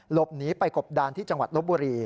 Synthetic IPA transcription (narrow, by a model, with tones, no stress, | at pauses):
lo˦˩p̚niː˦˥pa˧jko˨˩p̚daː˧nt̪ʰiː˥˩t͡ɕa˧ŋwa̰˨˩t̪̚lo˦˥buː˧ɾiː˧